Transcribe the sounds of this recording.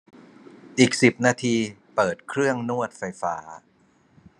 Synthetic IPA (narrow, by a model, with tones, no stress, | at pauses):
ʔiː˨˩k̚si˨˩p̚naː˧t̪ʰiː˧pɤː˨˩t̪̚kʰɾɯ˥˩əŋnu˥˩ət̪̚fa˧jfa̰ː˦˥